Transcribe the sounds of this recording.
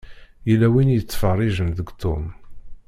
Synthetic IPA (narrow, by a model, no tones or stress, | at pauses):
jilːæwinjət͡sːfərˤːiʒəmðəɡt̪ʊ̰n